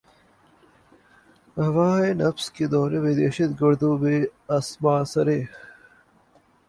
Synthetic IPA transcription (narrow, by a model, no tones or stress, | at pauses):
ɦɐʋaːenɐfsked̪ɔːɾebed̪eːɕɐt̪ɡʊɾd̪uːbeɐsmaːsɐɾeː